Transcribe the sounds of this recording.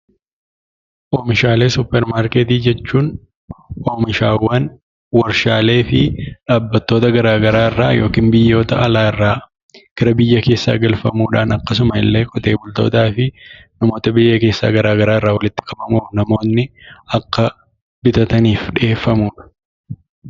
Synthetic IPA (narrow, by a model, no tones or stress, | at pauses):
ʔoːmɪʃaːle̞ːsʊpːɛɾmaːɾket̪iːd͡ʒɛt͡ʃːuːn | oːmɪʃaːwːaːn | wɐɾʃaːle̞ːfɪᶑaːbːɐt̪ːo̞ːt̪ɐɡɐɾaːɡɐɾaːɪrːaːjo̞̰ːkiːnbɪjːo̞ːt̪ɐʔɐlaːɪrːaː | ɡ̥ɪɾɐbɪjːɐke̞ːsːa̰ːɡɐlfɐmuːᶑaːnɐkːɐs̬ʊmɐɪ̰lːe̞ːkʼɔt̪ʼe̞ːbʊlt̪o̞̰ːt̪aːfɪ | nɐmo̞ːt̪ɐbɪjːɐke̞ːsːa̰ːɡɐɾaːɡɐɾaːɪrːaːwɐlɪt̪ːɪ̥kʼɐmɐmuːfnɐmo̞ːnːɪɐkːɐ | bɪt̪ɐt̪ɐniːfᶑɪe̞ːfːɐmuːᶑɐ̥